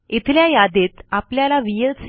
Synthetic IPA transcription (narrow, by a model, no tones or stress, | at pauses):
it̪ʰljajad̪et̪apljalaʋijəls